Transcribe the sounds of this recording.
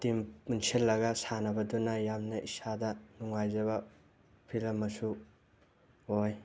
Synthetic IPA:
timunsʰilːɐɡɐsanɐbɐdunajamnɐʔisadɐnuŋajzɐβɐ | pʰilɐmːɐsu | hoj

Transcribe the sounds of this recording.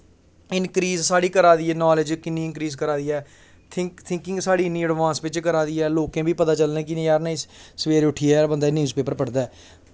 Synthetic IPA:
ɪnkɾiːzsaːɽiːkəɾaːd̪iːɛːnɔːlɪd͡ʒkɪnːĩːɪ̃nkɾiːzkəɾaːd̪iːɛː | t̪ʰɪt̪ʰɪ̃ŋkɪ̃ŋɡsaːɽiːniːəɖʋãːnsʋɪt͡ʃkəɾaːd̪iːɛːloːkẽːbiːpət̪aːt͡ʃəlnẽːk̬ɪnĩːjaːɾnaissəʋeːɾʊʈʰiːɛːbənd̪aːnjuːzpeːpəɾpəɽd̪aɛː

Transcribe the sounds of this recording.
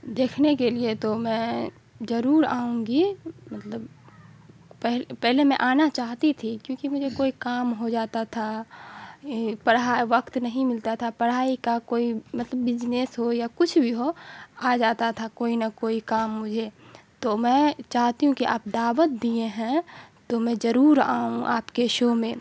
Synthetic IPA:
d̪eːkʰnekeliet̪omɛ̃ː | zəɾuːɾaːũɡimət̪ləb | pɛɦlpɛɦlemɛ̃ʔaːnat͡ʃaːɦt̪it̪ʰikjõːkimʊd͡ʒʱekoːikaːmɦod͡ʒaːt̪at̪ʰa | pəɽɦaʋəkt̪nəɦĩmɪlt̪at̪ʰapəɽɦaːikakoːimɐt̪ləbːɪd͡ʒneːsɦojakʊt͡ʃʰbʱiɦoaːd͡ʒaːt̪at̪ʰakoːinɐkoːikaːmːʊd͡ʒʱet̪omɛ̃ːt͡ʃaːɦt̪iɦũkiʔa̰ːp̚d̪aːʋət̪̚d̪iẽɦɛ̃t̪omɛ̃zɐɾuːɾa̰ːɦũʔaːpkeʃoːmẽ

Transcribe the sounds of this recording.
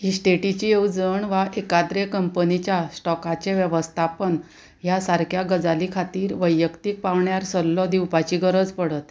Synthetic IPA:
ɦisʈeʈit͡ɕiewd͡zəɳʋaʔekad̪ɾekəmpənit͡ɕjasʈɔkat͡ɕeʋjəʋəst̪ʰapən | ɦjasaɾkʰjaɡəd͡zalikʰat̪iːɾʋəjːəkt̪iːk̚paʋɳjaɾsəlːɔd̪iwpat͡ɕiɡəɾəd͡zpəɽət̪

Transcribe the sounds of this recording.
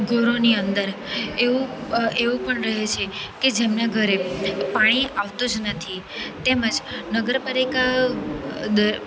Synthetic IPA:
ɡʱəɾoniənd̪əɾeʋũeʋũpəɳɾəɦet͡ʃʰeked͡ʒemnaɡʱəɾepaɽ̃iaʋt̪ũd͡ʒnət̪ʰit̪eməd͡ʒnəɡəɾpalika | d̪ə

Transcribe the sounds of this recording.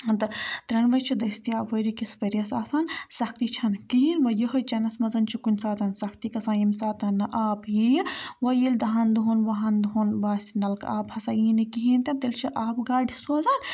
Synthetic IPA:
ɐnt̪ɐt̪ɾɐnʋɐjt͡ʃʰid̪ɐst̪iaːʋoɾikisfɐɾijɐsaːsaːnsɐkʰt̪it͡ʃʰɐnkiɦinʋɐjiɦɐt͡ʃɐnɐsmɐzɐnt͡ʃʰikunʲsaːt̪ɐnsɐkʰt̪ikɐsaːjimsaːt̪ɐnːɨʔaːbɦijʋɐjilʲd̪ɐɦɐnd̪uɦunʋɐɦɐnd̪uɦunʋaːsinɐlka̰ːbhɐsaːjinikiɦint̪ɐt̪elt͡ʃʰiʔaːpɡaːɖʱisoːzaːn

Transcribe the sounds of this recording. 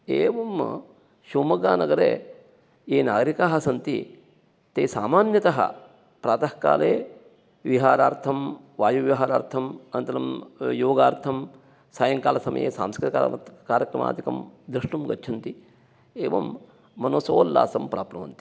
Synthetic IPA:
eːʋɐm | ʃuːmɐɡaːnɐɡɐɾḛː | jeːnaːɡɾikaːɦɐsɐnt̪ḭ | t̪eːsaːmaːnjɐt̪ɐɦɐ̰ | pɾaːt̪ɐhka̰ːleː | ʋiɦaːɾaːɾt̪ʰɐm | ʋaːjuʋiɦaːɾaːɾt̪ʰɐmɐnt̪ɐɾɐmjoːɡaːɾt̪ʰɐm | saːjɐŋkaːlɐsɐmɐ̰jḛːsa̰ːmskɾt̪ikːkaːɾjɐkɾɐma̰ːt̪ikɐ̰md̪ɾiʂʈumɡɐtːt͡ʃʰɐnt̪i | eːʋɐ̰mː | ɐnosoːlːa̰ːsɐmpɾa̰ːpnɐʋɐ̰nt̪i̥

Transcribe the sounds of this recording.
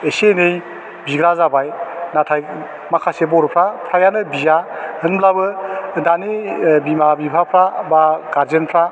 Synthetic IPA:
esenej | biɡɾazabajnatʰaj | makʰasebɔɾpʰɾapʰɾajanɯbizahɯnmblabɯdanibimabibʰʱapʰɾabaɡaɾzenpʰɾa

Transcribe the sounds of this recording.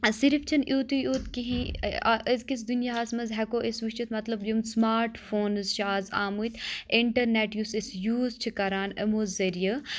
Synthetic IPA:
siɾift͡ʃʰɐnʔjuːt̪ujut̪kiɦĩʔzkisd̪unjaɦɐːsmɐzɦɛkoːʔisʋiʃt͡ʃut̪mɐt̪lɐbdumsmaːɾʈfʰoːnzʃaːza̰ːmuːt̪iɳʈɐɾneːʈjuːsisjuːzt͡ʃʰikɐɾaːnə̰moːzɐɾijə

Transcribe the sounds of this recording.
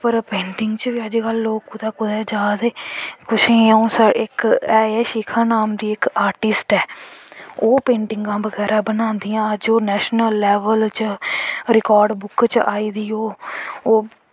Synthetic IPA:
pəɾpẽːɳʈɪŋɡt͡ʃʋiːəd͡ʒɡəlːoːkːʊd̪aːkʊd̪ɛːd͡ʒaːd̪eːkʊʃẽːəũːsəɪkɛːeːʃiːkʰãːnaːmd̪iːɪkaːɾʈɪsʈɛː | oːpẽːɳʈɪŋɡãːbəɡɛːɾaːbənãːnd̪ijãːəd͡ʒoːnɛːʃnəlːɛːʋəlt͡ʃ | ɾɪkaːɾɖbʊkt͡ʃaːiːd̪iːoː

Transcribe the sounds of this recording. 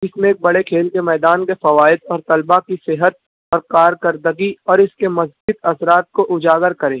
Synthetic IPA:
ɪsmẽeːk̚bɐɽekʰeːlkemɛːd̪aːnkefɐʋaːɪd̪ɔːɾt̪ɐlbakisɪɦət̪̚ | ɔːɾkaːɾkɐɾd̪əɡiɔːɾɪskemɐzd͡ʒit̪ɐsɾaːt̪̚koʔʊd͡ʒaːɡəɾkɐɾẽː

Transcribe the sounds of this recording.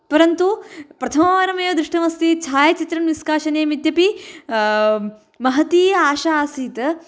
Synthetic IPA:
pɐɾɐnt̪upɾɐt̪ʰɐmɐʋaːɾɐmeːʋɐd̪ɾiʂʈɐmɐst̪it͡ʃʰaːjɐt͡ʃit̪ɾɐnʋiskaːʃɐneːmid̪jɐpi | mɐɦɐt̪iːjɐaːʃaaːsiːt̪ɐ

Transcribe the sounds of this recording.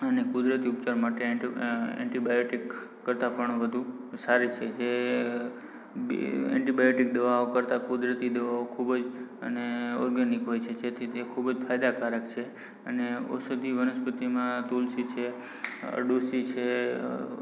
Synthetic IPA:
ənekʊd̪ɾət̪iup̚t͡ʃaɾmaʈe | ɛ̰̃ɳʈibajoʈikː | əɾt̪apəɳʋəd̪ʱusaɾit͡ʃʰed͡ʒe | b̰ɛ̰̃ɳʈibajoʈik̚d̪əʋaokəɾt̪akud̪ɾət̪id̪əʋaokʰubd͡ʒə̰neɔ̰ɾɡənikɦojt͡ʃʰed͡ʒet̪ʰit̪ekʰubd͡ʒfʰajd̪akaɾəkt͡ʃʰe | əneo̰sud̪ʱiʋənəspət̪imãt̪ulsit͡ʃʰe | ə̰ɖusit͡ʃʰe

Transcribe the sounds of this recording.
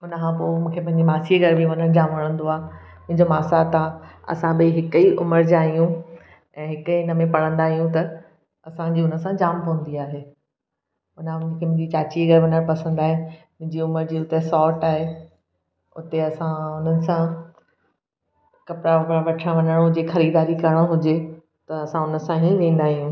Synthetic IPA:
ʊnəkʰãpoːmũːkʰepɐ̃ɦɪ̃ɲd͡ʑimaːsieɡʱɐɾbiʋɐnəɽ̃d͡ʑaːmʋɐɽ̃ə̃nd̪oaː | mʊ̃ɦɪ̃ɲd͡ʑomaːsat̪ãɐ̰sãbɪɦɪkəiʔʊ̰məɾd͡ʑaːɦijũ | ɛ̃ːɦɪkəɪnəmẽpɐɽ̤ə̃nd̪aːɦijũt̪ɐ | ɐsãd͡ʑiːʊnə̆sãd͡ʑaːmpɐʋə̃n̆d̪iaːɦeː | ʊnʊ̃nə̃nkʰeːmʊ̃ɦd͡ʑit͡ɕaːt͡ɕiɡɐɾʋɐ̃nəɽ̃pɐsə̃nd̪aːɦemʊ̃ɦɪ̃ɲd͡ʑiʊməɾd͡ʑiːʊt̪esɔːʈaːɦe | ʊ̰t̪eɐsãʊn̤ənɪ̆sã | kɐpɾaɐpɾaʋɐʈʰə̃ʋɐ̃nəɽ̃õɦʊd͡ʑexɐɾiːd̪aːɾikɐɾəɽ̃oɦʊd͡ʑe | t̪ɐɐsãʊnə̆sãɦĩʋẽːn̆d̪aːɦijũ

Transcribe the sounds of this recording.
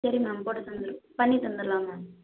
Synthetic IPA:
ɐɾimãmpoːʈɐt̪ɐnd̪ɯɾɯpɐɳːit̪ɐnd̪ɯɾlaːmaː

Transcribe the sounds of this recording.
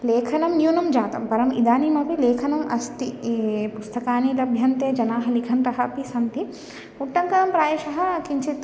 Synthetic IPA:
leːkʰɐnɐmnjuːnɐmd͡ʒaːt̪ɐmpɐɾɐmid̪aːnimɐpileːkʰɐnɐmʔɐst̪ipust̪ɐkaːnilɐbʱjɐnt̪eːd͡ʒɐnaːɦɐlikʰɐnɾɐɦɐpisɐnt̪i | uʈːɐŋkɐnɐmpɾaːjeʃɐɦɐ̆kiɲt͡ʃʰit̪

